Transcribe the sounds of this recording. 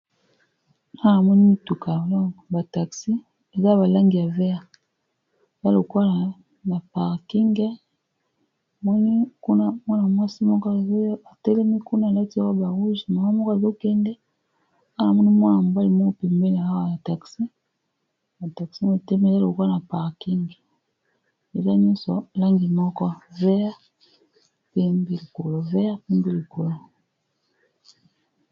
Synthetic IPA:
a˦˨na˨mɔ˦ni˦i˦tu˨ka˨wlɔ˦ba˨ta˨ksi˦ | e˨za˦˨ba˨la˦ŋɡi˨ja˨vɛ˦a˨ | e˨za˦lo˨kwa˦˨ | na˨pa˨ʁki˦ŋɡɛ˦˨ | mɔ˦ni˦ku˦na˦mwa˦na˨mwa˦si˦mɔ˦kɔ˦˨za˨tɛ˦lɛ˦mi˦ku˦na˦˨la˦ti˦a˦wɔ˦ba˨ʁu˦zi˨ma˨˦mɔ˦kɔ˦˨zo˦kɛ˦ndɛ˦ | ka˦˨na˨mɔ˦ni˦mwa˦na˨m˨ba˦li˨mo˦˨pe˨mbe˦ni˨a˨a˦wa˨ja˨ta˨ksi˦ | na˨ta˨ksi˦mo˨tɛ˦mɛ˨le˦lo˨o˨kwa˦na˨pa˨ʁki˦ŋɡi˨ | e˨za˦ɲɔ˦sɔ˨la˦ŋɡi˨mɔ˦kɔ˦vɛ˦a˦ | pe˦mbi˦li˨ko˨lo˨vɛ˦a˦pe˦mbi˦li˨ko˨lo˨

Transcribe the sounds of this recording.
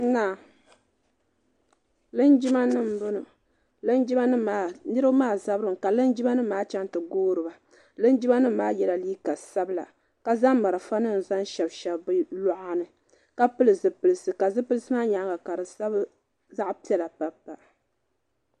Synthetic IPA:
na˨ | lɨ˦nd͡ʒi˦ma˦nɨ˦m̩˨bɨ˦nɨ˨ | lɨ˦nd͡ʒi˦ba˦nɨ˦maː˨nɨ˦ɾɨ˦bmaː˦˨za˦bɾɨ˨m˨ka˨lɨ˦nd͡ʒi˦ba˦nɨ˦maː˦t͡ʃɛ˦ntɨ˨ɡoː˦ɾɨ˨ba˨ | lɨ˦nd͡ʒi˦ba˦nɨ˦maː˦jɛ˦la˨liː˦ka˨sa˦bɨ˦la̰˨ | ka˨za˦mː˦a˨ɾɨ˨fa˦nɨ˦n̩˨za˦n˦ʃɛ˨bʃɛ˨bbɨ˦lɔ˦ʔa˦nɨ˨ | ka˨pɨ˦lɨ˨zɨ˨pɨ˨lɨ˨sɨ˨ka˨zɨ˦pɨ˦lɨ˦sɨ˦maː˦ɲa˨˦ɡa˨ka˨ɾɨ˨sa˦b | za˦ʔpi˦ɛ˨la˨pa˦pːa˨ʔ

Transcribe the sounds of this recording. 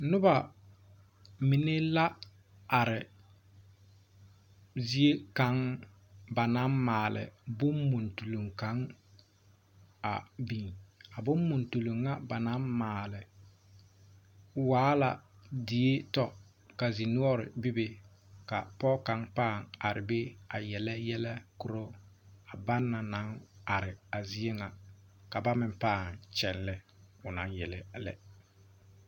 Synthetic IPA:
nʊ˦ba˨ | mɪ˨ne˦la˦ | a˨ɾɪ˨ | zi˦e˦ka˨˦ŋ | ba˨na˦mːaː˨lɪ̰˨bʊ˦mːu˨ntu˨lu˨ŋka˨˦ŋ | a̰˨biː˨na˨bʊ˦mːu˨ntu˨lo˨ŋːa˦ba˨na˦mmaː˨lɪ˨ | waː˦la̰˨di˨e˦tɔ˦ | ka˨zi˨nu˦ɔ˦ɾɪ̰˨bɪ˦be˦ | ka̰˨pɔ˦ka˨˦ŋpaː˦˨ŋa˨ɾɪ˨be˦a˨jɛ˨lɛ˦jɛ˦lɛ˦kʊ˨ɾo˦ | a˨ba˦nːa˨na˦ŋa˨ɾɪ˨a˨zi˦e˦ŋa˨ | ka˨ba˦mɪ˨mpaː˦˨ŋt͡ʃɛ˨nlɛ˦ | ʊ˨na˨˦njɛ˨lɛ˦lɛ̰˦

